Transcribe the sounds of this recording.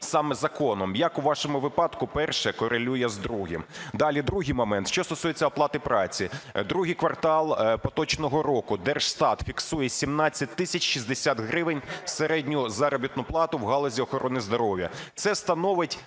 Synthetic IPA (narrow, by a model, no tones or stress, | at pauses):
sɑmɛzɐkɔnɔmjɐkʊʋɑʃɔmʊʋɪpɑd̪kʊpɛrʃɛkɔɾʔelʲujɛzd̪ɾuɦɪ̰md̪ɑlʲid̪ɾuɦɪjmɔmɛnt̪ʃt͡ʃɔst̪ɔsujet͡sʲːɐɔplˠɑt̪ɪpɾɑt͡sʲid̪ɾuɦɪjkʋɐrt̪ɑlˠpɔt̪ɔt͡ʃnɔɦɔɾɔkʊd̪ɛrʃst̪ɑt̪fʲiksujɛsʲimnɑt͡sʲːɐt̚ʲt̪ɪsʲɐt͡ʃʲʃizʲd̪esʲat̪ɦɾɪʋɪnʲseɾɛdʲnʲʊzɑɾɔbʲit̪nʊplˠɑt̪ʊwɦɑlˠɔzʲiɔxɔɾɔnɪzd̪ɔɾɔʋʲjɐ̰t̪sɛst̪ɐnɔʋɪtʲ